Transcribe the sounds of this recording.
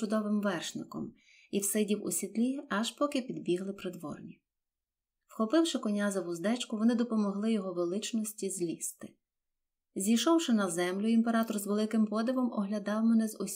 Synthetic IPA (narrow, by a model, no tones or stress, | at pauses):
ʊd̪ɔʋɪmʋɛrʃnɪkɔ̰m | iwsɪdʲiwʊ̰sʲit̪lʲiɐʃpɔkɪpʲid̪bʲiɦlˠɪpɾɪd̪ʋɔ̰rnʲi | wxɔpɪwʃɪkɔnʲazɐʋʊzd̪ɛt͡ʃkʊʋɔnɪd̪ɔpɔmɔɦlˠɪjɔɦɔʋelˠɪt͡ʃnɔsʲtʲizʲlʲist̪ɪ̥ | zʲijʃɔwʃɪnɐzɛmlʲʊimpeɾɑt̪ɔrzʋelˠɪkɪmpɔd̪ɪʋɔmɔɦlʲɐd̪ɑwmɛnɛzɔsʲ